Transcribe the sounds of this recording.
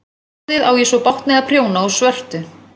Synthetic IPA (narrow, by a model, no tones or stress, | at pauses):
ɪðawjɛsɔpawht̪nɛɣapʰrjoːwnaɔsvœr̥t̪ʏ